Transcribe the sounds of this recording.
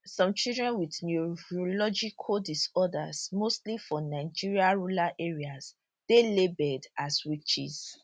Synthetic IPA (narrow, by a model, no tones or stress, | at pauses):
sɔ̃mt͡ʃildɹɛ̃nwidnuolɔd͡ʒikʰɔdisɔda̰smostlifɔ̃naɪd͡ʒiɹiaɹolaʔeɹias | d̥elebɛdaswit͡ʃḭs